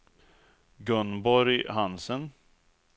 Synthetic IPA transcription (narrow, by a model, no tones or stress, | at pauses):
ɡɵnbɔɾjhansən